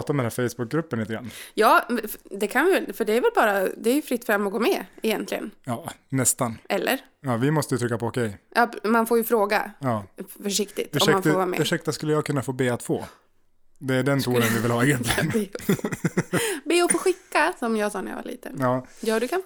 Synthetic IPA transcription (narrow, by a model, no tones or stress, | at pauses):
t̪aɔmd̪ɛnhæːɾfɛjsbʊk̚ɡɾɵpːənliːəɡɾa̰njɑːd̪ɛkʰanvɪvɛlfœɖɛæɾvɛlbɑːɾad̪ɛæɾjɵfɾɪt̪ːfœɾamːɔɡoːmɛːɪjɛnt̪lɪɡə̰njɑːɛst̪anɛlːə̰ɾ | jɑːvɪmɔst̪əjət̪ɾʏkːapɔɔkʰɛjjɑːmanfoːɾjɵfɾoːɡa̰jɑːfœʂɪkt̪ɪt̪ʂɔmɛːanfoːɾvɑːɾmɛ̰ʉʂɛk̚t̪askɵlːəjɑːɡkʰɵnːafoːbeːat̪fo̰ː | d̪ɛæɖɛnt̪ʰuːnənvɪvɪlhɑːɛjɛnt̪lɪɡənbeːf | beːɔfoːɧɪkːasɔmjɑːɡsɑːnɛ̰jɑ̰va̰lḭːt̪ə̰njɑːjɑːd̪ɵkʰan